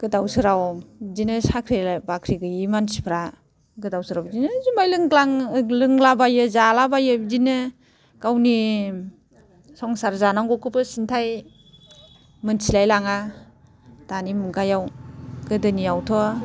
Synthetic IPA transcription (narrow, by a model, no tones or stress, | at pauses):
ɡ̥ɯdawsɯɾawzinɯsakʰɾelabakʰɾiɡɯjimansi̥pʰɾa | ɡɯdawsɯɾawzinɯzimajlɯŋɡlaŋlɯŋlabajɯzalabajɯzinɯ | ɡ̥awni | sɔŋsaɾzanaŋɡɔkʰɯpɯsintʰaj | mɯnsilajlaŋa | d̥animɯɡajawɡɯdɯnijawtʰɔ